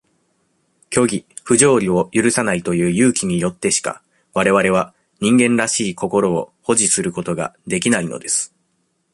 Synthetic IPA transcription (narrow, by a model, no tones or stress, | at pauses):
kʲo̞ɡʲiɸɯ̟ʑo̞ːɾʲio̞jɯɾɯ̟sanait̪o̞jɯ̟ːjɯːkʲiɲ̟ijo̞t̪ːe̞ɕi̥ka̰ | βaɾe̞βaɾe̞β̞a | ɲ̟ĩŋɡẽ̞nɾaɕiːko̞ko̞ɾo̞ːho̞ʑisɨɾɯ̟ko̞t̪o̞ɡa̰d̪e̞kʲinaino̞̰d̪e̞sɨ̥